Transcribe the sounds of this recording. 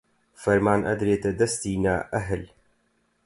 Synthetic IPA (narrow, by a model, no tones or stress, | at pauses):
fɐɾmaːnʔɐ̰d̪ɾeːt̪ɐd̪ɐst̪iːna̰ːʔɐɦəl